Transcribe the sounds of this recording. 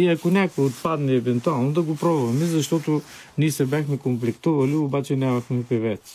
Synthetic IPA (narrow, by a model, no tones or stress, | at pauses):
iɐkonʲakoɛot̪pad̪nɛɛvɛnt̪ualˠnod̪ɐɡopɾɔbʊvɐmɛzɐʃt̪ɔt̪o | nʲiɛsɛbʲjaxmɛkomplɛkt̪uvɐliobat͡ʃɛnʲamɐxmɛpɛvɛt̪s